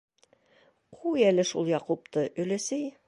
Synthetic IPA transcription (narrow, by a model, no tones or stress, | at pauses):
qʰujælɘʃulˠjɑqup̚t̪ɤʔɵ̆lɘ̆sɘj